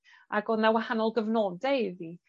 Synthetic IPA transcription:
ʔaɡɔnawahanɔlˠɡəvnɔdɛɪði

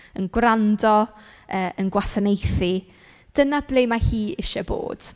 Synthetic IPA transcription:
ənɡwrandɔ | əːʔənɡwasanejθi | d̥ənablejmahiːɪʃɔbo̰ːd̥

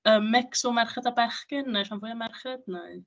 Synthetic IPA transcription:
əmːɛksɔmarχədabaχɡɪnːajʃanvuːjamarχɛdnaɨ

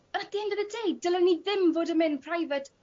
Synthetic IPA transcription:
ədihɪndəðədejdəlˠəniðɪmvoːdəmɪnpʰr̥ajvət

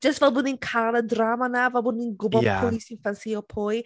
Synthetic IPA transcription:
d͡ʒ̥əstvɛlˠbʊninkʰalədramanavɛlˠbʊninɡʊbɔpʰʊlˠisɪnfansiɔpʰʊj

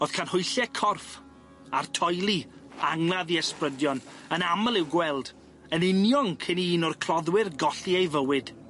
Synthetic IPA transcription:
oð̥kʰanhʊjɬɛkʰɔrf | a̰rtʰɔjlˠiaŋlˠaðiɛsprədjɔnənaməlˠɪwɡwɛlˠd | ənɪnjɔŋkʰɪniːnɔrkʰrɔðwɪrɡɔɬiejvəwɪd̥

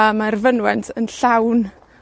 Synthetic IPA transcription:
amarvənwɛntʰənɬawn

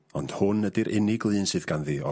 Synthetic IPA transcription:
ɔnd̥hʊnːədɪɾʔɪnɪɡlˠɨːnsɨðɡ̥anðiɔ

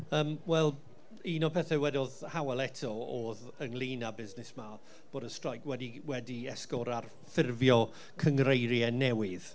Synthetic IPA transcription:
əːmwɛlˠ | iːnɔpʰɛθɛwɛdɔðhawɛlɛtʰɔoːð | əŋlˠiːnabɪznɪsma | b̥oːdəstrajkʰwɛdiwɛdiɛskɔɾar | fɪrvjɔ | kʰəŋrejɾjɛnɛwɪð̥

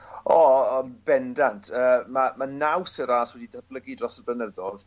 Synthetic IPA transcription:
ɔːbɛndantʰəːmamanawsəɾaːswɛdidəblˠəɡidrɔsəblənəðɔð

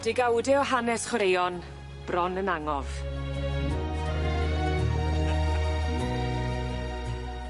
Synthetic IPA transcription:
d̥ɪɡawdɪɔɦanɛsχwɔɾejɔn | b̥rɔnənaŋɔv̥

